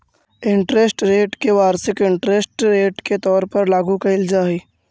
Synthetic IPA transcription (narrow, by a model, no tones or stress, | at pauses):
ɪ̃ɳʈɾesʈɾeːʈkeʋaːɾsɪkɪ̃ɳʈɾesʈɾeːʈket̪ɔːɾpɐɾlaːɡukɐɪld͡ʒaːiː